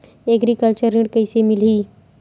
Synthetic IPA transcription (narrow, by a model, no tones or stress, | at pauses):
eɡɾikəlt͡ʃəɾːɪ̃ɖkɐɪsemɪliː